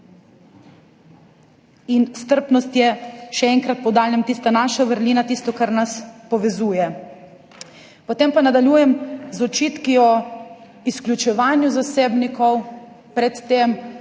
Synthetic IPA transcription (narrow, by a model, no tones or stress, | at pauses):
inst̪əɾpnɔst̪jɛʃɛɛŋkɾat̪̚pɔd̪aːljamt̪iːst̪anaːʃaʋəɾliːnat̪iːst̪ɔkaɾnaspɔʋɛzuːjɛ | pɔt̪eːmpanad̪aljuːjɛmzɔt͡ʃiːt̪kiɔ | isklʲut͡ʃɛʋaːnjuzaseːbnikɔw | pɾɛt̪ːeːm